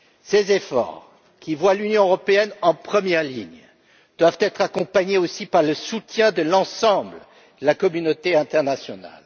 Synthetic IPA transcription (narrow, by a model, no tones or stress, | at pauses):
sezefɔ̰ʁ | kʲivwalynjɔ̃øʁɔpeɛnɑ̃pχəmjɛʁlḭɲ | d̪̥wavt̪ɛt̪χakɔ̃paɲeosipaʁləsut̪jɛ̃d̪əlɑ̃sɑ̃blə | d̪̥əlakɔmynot̪eɛ̃t̪ɛʁnasjɔna̰l